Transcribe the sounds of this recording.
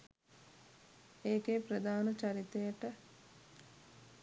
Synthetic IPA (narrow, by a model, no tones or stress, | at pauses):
eːkeːprəd̪aːnət͡ʃaɾit̪ejəʈə